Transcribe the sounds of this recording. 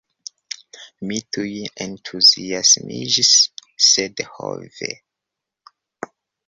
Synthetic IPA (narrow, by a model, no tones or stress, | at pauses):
mitʰujentʰuziasmḭd͡ʒisːedho̰vḛ